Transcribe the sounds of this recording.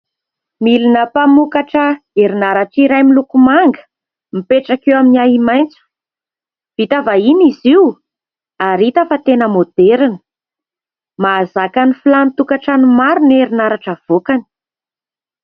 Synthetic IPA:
milinəpamukaʈ͡ʂə | eɾinaɾaʈ͡ʂiɾajmilukumaŋɡə̥ | mipeʈ͡ʂakewaminiaɦimajnt͡su̥ | v̥it̪avainiziw | aɾit̪əfat̪enəmod̪̥eɾinə̥ | maːzakanifilanit̪ukaʈ͡ʂanumaɾuneɾinaɾaʈ͡ʂəv̥okani̥

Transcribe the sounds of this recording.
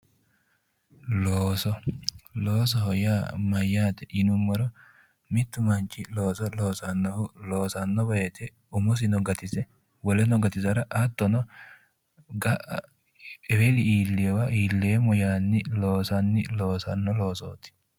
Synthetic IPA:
loːsɔloːs̬ɔhɔjaːmɐjːaːt̪ɛʔɪnʊmːɔɾɔ | mɪt̪ːʊmɐnt͡ʃːɪloːsɔlo̞ːsɐnːɔhʊlo̞ːsɐnːɔbɐjɛt̪ɛ | ʊmʊs̬ɪnɔɡɐt̪ɪzɛ | wɔlɛnɔɡɐt̪ɪzɐɾɐʔɐt̪ːɔnɔ | ɡɐʔɐ̰ | ɛwɛlɪiːlːɛwɐʔiːlːeːmɔjaːnːɪlo̞ːsɐnːɪlo̞ːsɐnːɔlo̞ːso̰ːt̪ɪ̥

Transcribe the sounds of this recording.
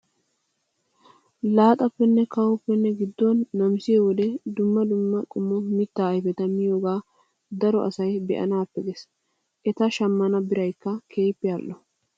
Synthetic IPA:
laːt̪ʼɐpːɛnːɛkɐwɔpːɛnːɛɡɪd̪ːɔnːɐmsɪɛwɔd̪ɛd̪ʊmːɐd̪ʊmːɐkʼʊmːɔmɪt̪ːaːɐjfɛt̪ɐmɪjoːɡaː | d̪ɐɾɔ̰ʔɐsɐjbɛ̰ʔɐ̰naːpːɛɡɛs | ʔɛt̪ɐʃɐmːɐnɐbɪɾɐjkːɐkʰeːjpːɪjaːlːɔ

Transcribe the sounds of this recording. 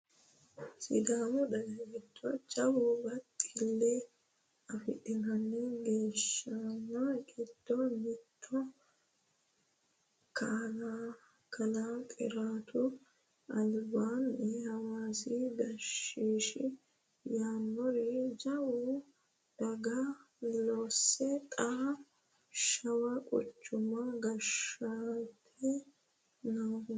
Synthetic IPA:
sɪ̰d̪aːmɔd̪ɐɡɐkɪt̪ʰːɔt͡ʃɐwubɐt̪ʼːɪlːɛ | ɐfɪ̰ɗɪnɐnːɛɡe̞ːʃːɐnɐkʼɪt̪ːɔnɪt̪ːɔ | kʰaːnaː | kʰɐnaːtʼɪ̰ɾaːt̪ʰʊ | ʔɐlbaːnɛhɐwaːsiɡɐʃiːʃɪ | jaːnːɔɾɛd͡ʒɐwu | d̪̥ɐɡɐ | losɛt̪ʼa | ʃɐwɐkʼɔ̰t͡ʃːʊmɐɡɐʃat̪ʰɪ | nɐ

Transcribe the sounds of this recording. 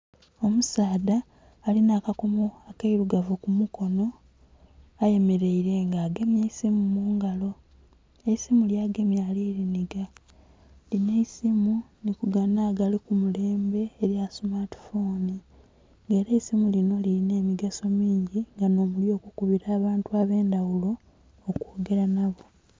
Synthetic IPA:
o̞musaːdaː | linaːkakomoakeiɾuɡavukumuko̞no̞ | aje̞me̞ɾe̞iɾe̞ŋɡaːɡe̞mjeisimumuːŋɡalo̞ | eisimuljaːɡe̞mjaliːɾiniɡa | lineisimunikuɡanaːɡalikumule̞ːmbe̞ːɾjasmaɾti̥foːni | ŋɡe̞ːɾeisimulino̞liline̞ːmiɡaso̞miːɲɟiŋɡano̞ːmuljo̞ːkukuβiɾaːβaːntuaːβe̞ːndawulo̞ː | koːɡe̞ɾanaβo̞

